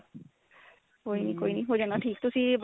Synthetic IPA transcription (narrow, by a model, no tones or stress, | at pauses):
koːiniːkoːinĩːɦoːd͡ʒaːnaʈʰiːkt̪ʊsĩːb